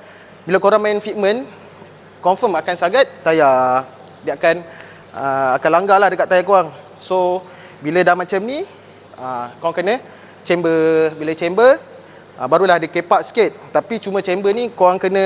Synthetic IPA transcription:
bilakoɾaŋmãnfit̪̚mə̃n | kɔnfəmakansaɡat̪̚ːaja | dəakan | əakanlaŋɡalahdəkaʔt̪ajakoaŋ | so | bilədamat͡ʃamni | əkoaŋkənə̃ | t͡ʃɛmbəbilət͡ʃɛmbə | əbaɾulahdəkepaʔsket̪̚t̪apit͡ʃumə̃t͡ʃɛmbənikoaŋkənə̃

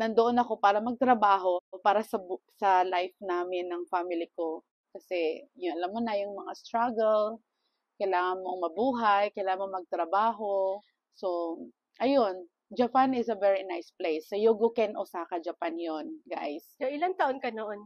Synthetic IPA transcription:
nɐnd̪oʔonɐko̞paːɾɐmɐɡ̚t̪ɾɐbaːɦo̞paːɾɐsɐsɐlajfnaːmɪnːɐŋfamɪlɪko | kɐsɛjʊnʔɐlamːonɐjʊŋmɐŋast̪ɾaɡɛl | kɐjlaːŋɐnmoŋmɐbuːɦajkɐjlaːŋɐnmomɐɡ̚t̪ɾɐbaːɦo̞ | so | ʔɐjon | d͡ʒɐpanɪsɐvɛɹinajsplejsːɐjoɡokɛnʔosakɐd͡ʒɐpanjonɡa̰jsjoʔɪlaŋt̪ɐʔonkɐnoʔon

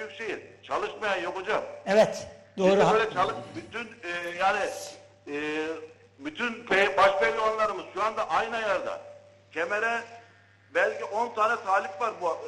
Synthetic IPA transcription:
yjykcʃejit͡ʃʰalˠɯʃmajanjo̞kad͡ʒamɛvɛt̪bd̪oiːdɾɛøjlʲɛt͡ʃʰalˠɯbyt̪ynːjaːnɪː | byt̪ʰynpɛbaʃpɛjlːʲamanlˠaɾɯmɯz̥ʃuand̪aʔajnajaɾd̪a̰ | cʰemeɾɛ | bælʲciʔo̞nt̪ʰaːnɛsʰaːlʲikvaɾbu

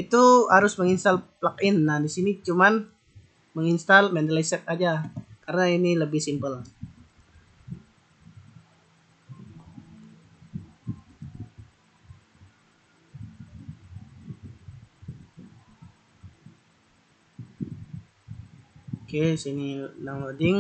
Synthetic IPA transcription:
it̪uhaɾʊsməŋinst̪alplakɪnːahdisinit͡ʃuman | məŋinst̪almɛnt̪alaisɛk̚ad͡ʒakaɾənainiləbɪhsimpəl | okesininaŋlodɪŋ

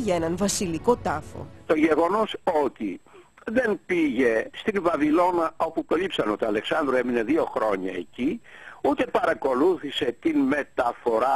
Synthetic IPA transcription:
ʝɐenɐnvɐsiliko̞t̪ɐfo̞̰t̪o̞ʝe̞ɣo̞no̞so̞t̪i | ðe̞npiʝe̞st̪invɐvilo̞nɐo̞pukɐlipsɐno̞t̪iɐle̞ksɐnd̪ɾue̞mine̞ðio̞xɾo̞ɲɐe̞ciut̪e̞pɐɾɐko̞luθise̞t̪inme̞t̪ɐfo̞ɾɐ

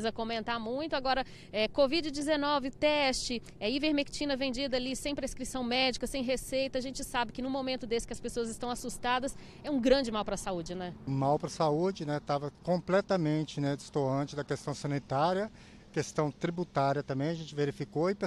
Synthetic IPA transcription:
zɐkõmẽnt̪aɾmũj̃t̪ʊaɡɔɾɐ | ɛkovid͡ʒɪd͡ʒɪzenɔvɪt̪ɛst͡ʃɪ | ɛiveɾmekt͡ʃĩnɐvẽnd͡ʒid̪ɐaːlisẽj̃pɾeskɾisɐ̃w̃mɛd͡ʒikɐsẽj̃ɦesejt̪ɐːʒẽnt͡ʃɪsabɪkɪnʊ̃momẽnt̪ʊd̪esɪ̥kɪɐspesoɐzɪst̪ɐ̃w̃asust̪ad̪ɐs | ɛũɡɾɐ̃d͡ʒɪmawpɾɐsaud͡ʒɪnɛ̃mawpɾɐsaud͡ʒɪnɛt̪avɐkõplɛt̪ɐmẽt͡ʃɪnɛd͡ʒɪst̪oɐ̃t͡ʃɪd̪ɐkest̪ɐ̃w̃sɐ̃nit̪aɾjɐ | kest̪ɐ̃w̃t̪ɾibut̪aɾjɐt̪ɐ̃mbẽj̃ɐʒẽnt͡ʃɪveɾifikoɪpe

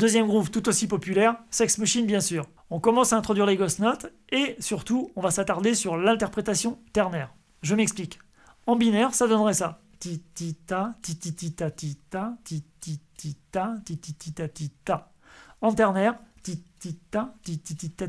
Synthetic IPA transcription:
d̪øzjɛmɡʁupt̪ut̪osipɔpylɛʁsɛksmaʃinbjɛ̃syːʁ | ɔ̃kɔmɑ̃saɛ̃t̪χɔd̪ɥiʁleɡɔsnɔt̪ | esyʁt̪uɔ̃vasat̪aʁd̪esyʁlɛ̃t̪ɛʁpχet̪asjɔ̃t̪ɛʁnɛːʁ | ʒəmɛksplik | ɑ̃binɛʁsad̪ɔnʁɛsa | t̪it̪it̪at̪it̪it̪it̪at̪it̪at̪it̪it̪it̪at̪it̪it̪it̪at̪it̪a | ɑ̃t̪ɛʁnɛʁt̪it̪it̪at̪it̪it̪it̪a

